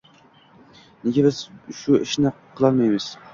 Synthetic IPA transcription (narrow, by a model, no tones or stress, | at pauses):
nɪɡʲɪbɪz̥ʃʊɪʃnɪ | qʰəlˠɑlmejmɪz̥